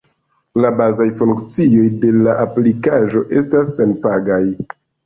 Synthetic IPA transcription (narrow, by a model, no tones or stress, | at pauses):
labazajfuŋkt͡sio̞jde̞laʔaplikaʒo̞ʔe̞stasːenpaɡaj